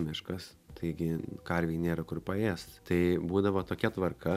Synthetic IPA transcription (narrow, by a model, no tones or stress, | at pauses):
mʲɪʃkɐs | t̪ɐɪɡʲɪkɐɾʲʋʲɛjnʲeːɾɐkʊrpɐeːst̪t̪ɐɪbuːd̪ɐʋoːt̪oːkʲɛt̪ʋɐrkɐ